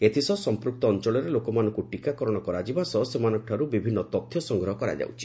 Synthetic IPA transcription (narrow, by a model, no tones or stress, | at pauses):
et̪ʰisɔsɔmpɾuk̚t̪ɔːnt͡ʃɔɭɔɾelokɔmanɔ̃ŋkuʈikakɔɾɔɽ̃ɔkɔɾad͡ʒibasɔsemanɔʈʰaɾubibʱinːɔt̪ɔt̪ʰːjɔsɔŋɡɾɔɦɔkɔɾa̰d͡ʒa̰wt͡ʃʰi̥